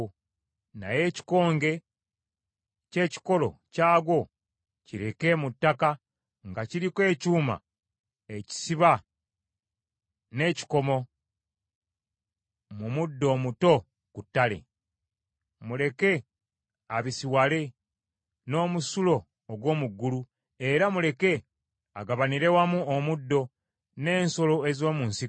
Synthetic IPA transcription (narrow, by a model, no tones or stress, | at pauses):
na̰je̞ːci̥ko̞ːŋɡe̞ | ce̞ːci̥ko̞lo̞̰caːɡwo̞ | ciɾe̞ke̞mutːaka | ŋɡaciɾikwe̞ːcuːma̰ | eci̥siβa | ne̞ːci̥ko̞mo̞ | mumudːo̞ːmuto̞ | kutːale̞̰ | mule̞ke̞ | aβisiwale̞ | no̞ːmusulo̞ː | ɡwo̞ːmuɡːulu | e̞ɾamule̞ke̞ | aɡaβaniɾe̞wamuomudːo̞ | ne̞ːnso̞lo̞ezo̞ːmuːnsi